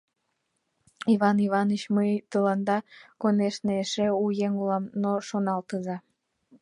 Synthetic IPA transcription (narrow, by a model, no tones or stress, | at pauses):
iβɑniβɑnət͡ɕməjt̪əlɑnd̪ɑkoneʃneeʃeujeŋulɑmnoʃonɑlt̪əzɑ